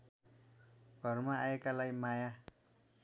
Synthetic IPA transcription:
ɡ̥ʱʌrmaaekalajmaja

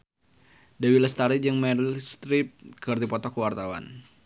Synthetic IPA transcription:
dɛwiləst̪aɾid͡ʒɨŋmɛɾilst̪ɾip̚kɨrd̪ipɔt̪ɔkəwart̪awa̰n

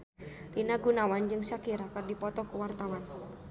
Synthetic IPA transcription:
linaɡunawand͡ʒɨŋsakiɾakɨrdipɔt̪ɔkuwart̪awan

